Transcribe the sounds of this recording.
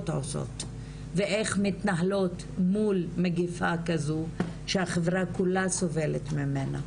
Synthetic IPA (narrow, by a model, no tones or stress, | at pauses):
toso̰t | veʔeχmitnaɦlo̞t | mulmeɡifakazu | ʃeaχevʁakulaso̞ve̞let̪mimena̰